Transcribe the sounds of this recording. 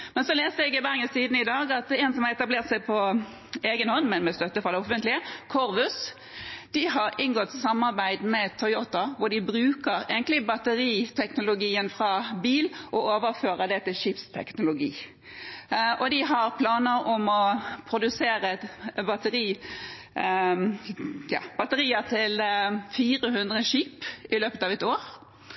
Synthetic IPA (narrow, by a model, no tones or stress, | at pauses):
mɛnsɔleːst̪əɛɡɪbæʁŋəsiːd̪nəɪd̪ɑːɡɑt̪ɛnsɔmhɑɛt̪ɑbleːʁt̪sæɪpʰɔ | eːɡənhɔnːmɛnmɛst̪œt̪ːəfʁɑd̪ɛɔfənt̪lɪəkʰɔɾʋʉs | d̪̥ɪɦɑɾɪnɡɔt̪ːsɑmːɑɾbæɪd̪mɛt̪ʰːɔʏot̪əʋʊɾd̪ɪbɾʉːkəɾeːɡənlɪbɑt̪əɾiːt̪ʰɛknʊlʊɡiːənfɾɑbiːlʔɔoːʋəɾføːʁəd̪ɛt̪ɪlʃipst̪ʰɛ̰knʊlʊɡḭː | ʔɔd̪ɪɦɑʁpʰlɑːnəɾɔmɔpʰɾʊd̪ʉseːʁəbɑt̪əʁiː | jɑ̰ːb̥ɑt̪əʁiːət̪ʰɪlfiːʁəɦʉnd̪ʁəʃiːpɪløːpət̪ɑːʋɛt̪oːʁ